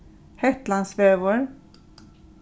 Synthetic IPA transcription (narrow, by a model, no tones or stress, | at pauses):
hɛt̪land̪svøːvʊɾ